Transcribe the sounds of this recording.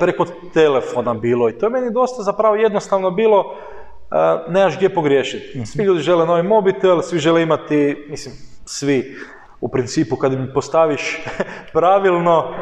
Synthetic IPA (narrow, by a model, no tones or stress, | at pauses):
pɾeko | t̪elefonabiːlˠoit̪ojeme̞nid̪o̞st̪azapɾaʋoje̞d̪nost̪aʋnobiːlo̞ | əneaʒɡd̪ʲjepo̞ɡɾjeːʃit̪siʎuːd̪iʒe̞leno̞ʋimo̞bit̪elsʋiʒe̞leimat̪imislimsʋi | upɾint̪siːpukad̪impost̪aʋiʃpɾaʋilˠno̞